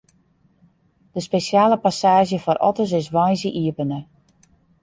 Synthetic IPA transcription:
d̥əspesjaːləpasaːʒjəfɔɾʔɔ̰təs̬ɪsʋɔjsəʔiəpənə

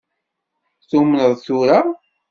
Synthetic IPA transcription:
θumnəðˤθuɾa

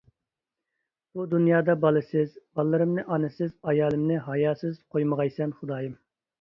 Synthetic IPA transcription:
b̥ud̪unjɑːd̪ɑbɑlˠɨsɪzbɑlˠːɨɾɨmnɨʔɑnɨsɪzɑjɑːlˠɨmnɪɦɑjɑːsɨz̥qʰojməʁɑjsɛnχʊd̪ɑːjɨm

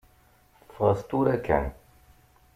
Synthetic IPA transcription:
fʁəst̪uɾækʰæ̰n

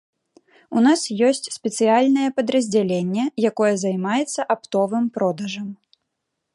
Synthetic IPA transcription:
unasjɔsʲt͡sʲspʲɛt̪sɨjalʲnɐjɛpɐd̪ɾɐzʲd͡zʲalʲenʲːɛjakɔjɛzɐjmajɛt̪sːɐʔapt̪ɔvɨmpɾɔd̪ɐʐɐm

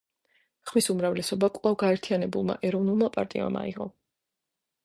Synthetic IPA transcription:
χmisumɾavlɛsɔbakʼlˠavɡaɛɾt̪ʰijanɛbulˠma̰ʔɛɾɔvnulˠmapʼa̰ɾt̪ʼḭa̰ma̰iʁɔ

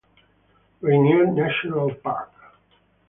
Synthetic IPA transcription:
ɹinjudnæʃɔnəlˠpa̰ɹk

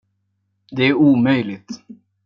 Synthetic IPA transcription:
d̪ɛæɾuːmœjlɪt̪

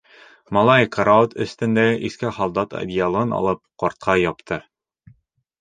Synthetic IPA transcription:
mɑlˠɑjkʰɐɾaot̪ɵ̰̆st̪ɘ̆nd̪æʔiskæχɑlˠd̪ɑt̪ɐ̰d̪ʲijalˠɤɤnɒ̰lˠɤp̚qɒɾt̪̚qʰɑjɒpt̪ʰɤ

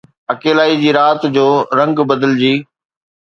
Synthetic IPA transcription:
ɐkeːlaːid͡ʑiːɾaːt̪d͡ʑoːɾɐ̃ŋɡbɐd̪əld͡ʑiː

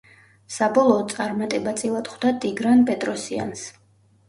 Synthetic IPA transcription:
sabɔlˠɔːt̪sʼaɾmat̪ʼɛbat̪sʼilˠat̪χwd̪at̪ʼiɡɾanpʼɛt̪ʼɾɔsia̰ns

